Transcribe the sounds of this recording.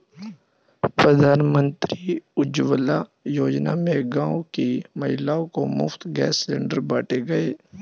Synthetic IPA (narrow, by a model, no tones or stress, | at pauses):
pɾəd̪ʱaːnmə̃nt̪ɾiʊd͡ʒwəlajoːd͡ʒnamẽɡãːokimɐɦɪlaːõkomʊ̰ft̪ɡɛ̰ːsleːɳɖəɾbaːʈʰeɡɐeː